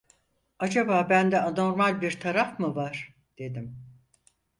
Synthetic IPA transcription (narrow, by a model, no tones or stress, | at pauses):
ad͡ʒabaːbænd̪ɛano̞ɾmalʲbiɾt̪ʰaɾafmɯvaɾ̥ | d̪̥e̞d̪im